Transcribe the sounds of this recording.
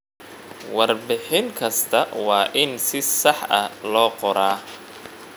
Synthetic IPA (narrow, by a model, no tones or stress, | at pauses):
wɑrbɪħɪŋkʰɐst̪ʰɐwɑːʔɪnsɪsɑħʔɐlɔːqɔɾaː